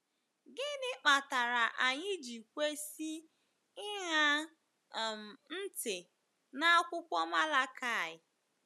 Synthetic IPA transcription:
ɡɪ˦nɪ˦k͡pa˨ta˨ɾa˨ʔa˨ɲɪ˦d͡ʒi˨kʷe˦si˦ | ɪ˦ɦa˦ | m̩˨n̩˦tɪ˨ | na˦a˦kʷʊ˦kʷɔ˦ma˦la˦ka˦˨ɪ˨

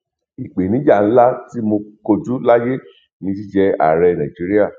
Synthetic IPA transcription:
i˨k͡pe˨nĩ˨˦d͡ʒa˦˨n̩˦la˦ti˦mo˧ko˧d͡ʒu˨˦la˦je˦ | nĩ˧t̬i˦d͡ʒɛ˧˦a̰˦˨ɾɛ˧nã˨d͡ʒi˨˦ɾi˦a˦˨

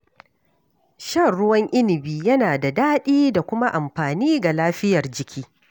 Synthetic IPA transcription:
ʃɐ˦˨rɽʊ˦wɐ˦ŋʔɪ˦nɪ˨biː˨jɐ˦naː˨da˨daː˦ɗiː˦da˨kʷʊ˦ma˦ʔa˨mɸaː˨niː˦ɡa˨laː˦ɸɪ˦jɐ˨rd͡ʒɪ˨kʲʰiː˦

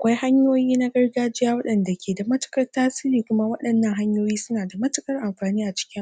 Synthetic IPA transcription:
kʷa˦jha˦ɲjoː˦jiː˦na˦ɡɐ˦rɡaː˦d͡ʒɪ˦jaː˦wɐ˦ɗɐ˨nda˨kʲeː˨da˨mɐ˦tʊ̥˨kɐ˦rtaː˦siː˦ɾiː˨kʷʊ˦ma˦wɐ˦ɗɐ˨nːɐ˦˨ŋɦa˦ɲjoː˦jiː˦sʊ˦naː˨da˨mɐ˦tʊ˦kɐ˦rʔa˨mɸaː˨niː˦ʔa˨t͡ʃɪ̥˦kʲɪ˦ŋ

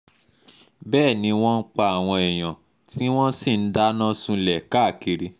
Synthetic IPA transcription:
bɛː˦˨nĩ˨˧˦w̃ɔ̃˦n̩˦k͡pa˧a˨w̃ɔ̃˧ɛ˨j̃ã˨ | ti˦w̃ɔ̃˦si˦˨n̩˦da˦nã˦sũ˧lɛ˨ka˦˨ki˧ɾi˧

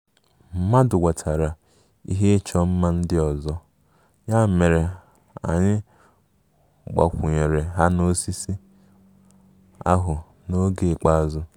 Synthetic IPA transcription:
m̩˦˨ma˦dʊ˨ɡʷa˨tʰa˨ɾa˨ | ḭ˦ɦe˦t͡ʃɔ˦m̩˦ma˦n̩˦dɪ˦ɔ˨zɔ˦ | ɲa˦me˨ɾe˨ | a̰˨ɲɪ˦ | ɡ͡ba̰˨kʷʊ˨ɲe˨ɾe˨ɦa˦no˦si˦si˦ | a̰˦ɦʊ˨ | no˦ɡe˨k͡pa˦˨zʊ˦

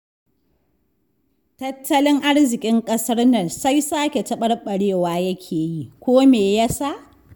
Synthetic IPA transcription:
tɐ˦tʰːɐ˦lɪ˦ŋʔa˦ɽzɪ˨kʲʼɪ˦ŋkʼɐ˦sɐ˦rnɐ˦˨nsa˦jsaː˦kʲe˨tɐ˦ɓɐ˦rɓɐ˨ɽeː˦˨waː˨jɐ˦kʲʰeː˨ji˦kʷoː˦meː˨ja˦sa˦˨ʔ

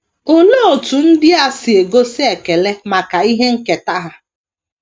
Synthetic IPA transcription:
o˨lo˦o˨tu˨n̩˦dɪ˦a˦sɪ˨e˨ɡo˦sɪ˦e˨ke˨le˦ma˨ka˨i˦ɦe˦ŋ̩˦ke˨ta˦ɦa˦

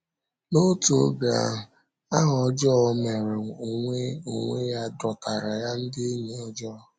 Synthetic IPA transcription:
no˦tu˨˦ɡa̰˨ | a˦ɦɔ˨d͡ʒɔ˦me˨ɾe˨o˨ŋʷe˦o˨ŋʷe˦ja˦dɔ˨ka˨ɾa˨ja˦n̩˦dɪ˦e˦ɲi˨ɔ˦d͡ʒɔ˦˨

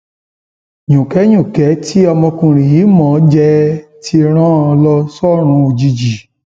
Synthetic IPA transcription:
jũ˨kɛ˨˦jũ˦˨kɛ˨˦ti˦ɔ˧mɔ̃˧kũ˧˨ɾ̃ĩ˨ji˨˦mɔ̃˦˨˦d͡ʒɛ˧˦ti˧˦ɾ̃ã˦˧lɔ˧sɔ˦˨ɾ̃ũ˨˧˦o˧d͡ʒi˧d͡ʒi˨

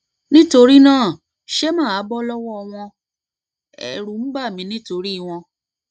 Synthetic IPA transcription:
nĩ˦to˧ɾi˦nãː˦˨ | ʃe˦mã˦˨a˨˦bɔ˦lɔ˦wɔ˦ɔ˧w̃ɔ̃˧ | ɛ̰˨ɾu˨m̩˦ba˦˨mĩ˨˦nĩ˦to˧ɾi˦˧w̃ɔ̃˧

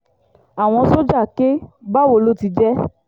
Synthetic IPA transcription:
a˨w̃ɔ̃˧so˦d͡ʒa˦˨ke˦ba˦wo˦˧˨lo˦ti˧d͡ʒɛ˦

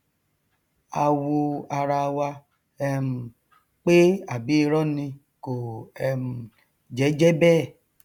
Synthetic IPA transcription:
a˨wo˧a˧ɾa˧wa˧ | ɛ˧m̩˨ | k͡pe˦a˨bi˦e˧ɾɔ˦nĩ˧ | ko˨ɛ˧m˨ | d͡ʒɛ˨˦d͡ʒɛ˦bɛː˦˨

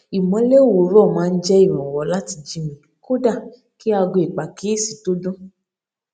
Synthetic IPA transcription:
i˨mɔ̃˨˦le˦o˦˨wo˨˦ɾɔ˦˨mãː˨˦˧n̩˦d͡ʒɛ˦i˦˨ɾ̃ɔ̃˨wɔ˨˦la˦ti˧d͡ʒi˦mĩ˧ | ko˦da˦˨ | ki˦a˧ɡo˧i˨k͡pa˨ke˦˨si̥˨to˦dũ˦

